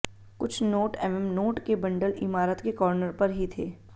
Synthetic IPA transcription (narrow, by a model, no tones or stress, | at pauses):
kʊt͡ʃʰnoːʈɛmɛmnoːʈkebɐ̃ɳɖəlɪmaːɾət̪kekɔːɾnəɾpɐɾɦit̪ʰeː